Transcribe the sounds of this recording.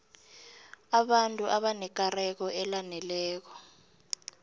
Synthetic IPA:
aɓantʼuʔaɓanɛk̬arɛk̬ɔʔɛlanɛlɛːk̬ɔ̥

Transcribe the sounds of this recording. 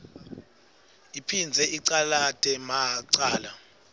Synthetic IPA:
ipʰind͡zʱɛʔiǀalatʼɛmaǀaːla

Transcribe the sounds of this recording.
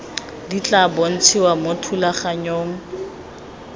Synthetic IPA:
dit͡ɬʼabɔn̩t͡sʰiwamotʰulaχaɲoɔːŋ̩

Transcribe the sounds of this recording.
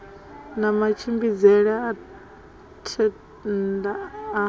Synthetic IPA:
namat͡ʃʰimbid͡zɛɺɛa | tʰɛ | da

